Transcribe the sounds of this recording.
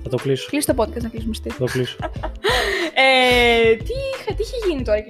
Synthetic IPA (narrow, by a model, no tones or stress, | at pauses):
θɐt̪okliso̥klist̪o̞po̞d̪̚kɐst̪nɐklisumest̪iɐt̪okliso̥ | et̪ixɐt̪iiçeʝinit̪oɾɐk